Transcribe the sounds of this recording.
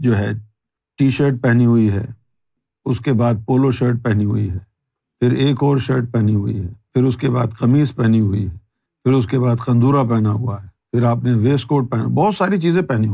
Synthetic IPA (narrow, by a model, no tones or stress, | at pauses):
d͡ʒoːɦɛ | ʈiːʃəɾʈ̚pɛɦniɦʊiɦɛ̰ː | ʊskebaːd̪̚poːloʃəːɾʈ̚pɛɦniɦʊ̰ḭɦɛː | pʰɪɾeːkɔːɾʃəɾʈ̚pɛɦniɦʊḭɦɛːpʰɪɾʊskeba̰ːd̪qɐmiːspɛɦniɦʊḭɦɛː | pʰɪɾʊskebaːd̪qɐ̃nd̪uːɾap̬ɛɦnaɦʊaɦɛːpʰɪɾaːpneʋeːskoːʈ̚pɛɦna̰bɔːt̪saːɾit͡ʃiːzẽpɛɦniɦ